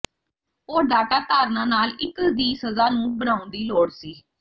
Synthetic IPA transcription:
oːɾɖaːʈaːt̪aːɾnãːnaːlɪkd̪iːsəzaːnũːbənãːʊ̃nd̪iːloːɽsiː

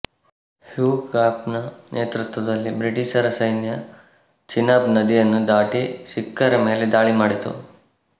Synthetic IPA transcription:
hjuːkaːpnɐnʔeːt̪ɾut̪ʋɐd̪ɐlːibɾiʈiʃɐɾɐsɐjnjɐ | t͡ʃinaːbnɐd̪ijɐnːud̪aːʈiʃikːɐɾɐme̞ːled̪aːɭimaːɽit̪ṵ

